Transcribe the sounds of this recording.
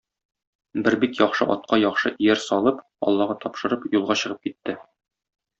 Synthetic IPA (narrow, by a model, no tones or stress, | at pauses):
bɘɾbikjɒχʃɤʔɒ̰t̪̚qɑjɒχʃɤʔijæɾsɒlˠɤp | ɒ̰lˠːɑʁɑt̪ʰɒpʃɤ̆ɾɤpjulˠʁɑɕɤ̆ʁɤp̚kit̪ːɘ